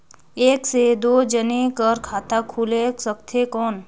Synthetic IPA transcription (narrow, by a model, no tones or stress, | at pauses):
eːksed̪oːd͡ʒənekəɾkʰaːt̪akʰuːlesəkt̪ʰekɔːn